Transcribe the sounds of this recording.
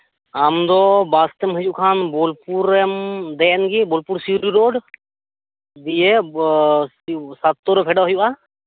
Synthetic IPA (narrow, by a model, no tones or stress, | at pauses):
amd̪ɔbast̪ɛmɦəd͡ʒuʔkʰanbɔlpuɾɛmd̪ɛɛnɡibɔlpuɾsiuɾiɾoɖ | d̪ijɛ | sat̪ːɔɾɔpʰɛɖaɦɔjuʔa